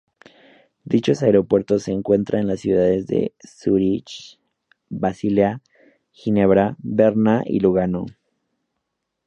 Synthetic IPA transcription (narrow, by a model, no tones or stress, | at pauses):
d̪it͡ʃo̞saeɾo̞pwe̞ɾt̪o̞sːe̞ːŋkwe̞nt̪ɾʔaenlasːjuðaðe̞zðe̞̰suɾit͡ʃ | βasilja | xine̞βɾaβeɾnaʔḭluɣano̰